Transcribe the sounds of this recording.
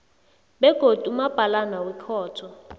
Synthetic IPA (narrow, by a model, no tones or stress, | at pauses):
bɛɡ̥ʱod̥ʱumab̥ʱalanawɛkʰɔːtʰɔ